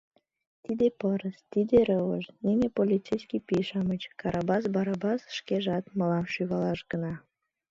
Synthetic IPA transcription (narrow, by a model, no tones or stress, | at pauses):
t̪id̪epəɾəst̪id̪eɾəvə̰ʃnenepolʲit͡sejsʲkʲipiʃɑmət͡ɕkɑɾʔɑbɑsbɑɾɑbɑsʃkeʒɑt̪məlɑmʃyɣɑlɑʃɡənɑ